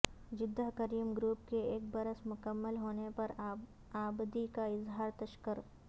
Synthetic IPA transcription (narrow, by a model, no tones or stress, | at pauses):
d͡ʒɪd̪ːəɦkəɾiːmɡɾuːp̚keeːk̚bɐɾəsmʊkəmːəlɦoːnepɐɾ | aːbd̪ikaɪzɦaːɾt̪ɐʃkəɾ